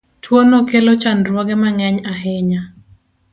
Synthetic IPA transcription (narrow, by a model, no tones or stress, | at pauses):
twonokelot͡ʃanɾwɔɡɛmaŋɛɲaɦɪɲa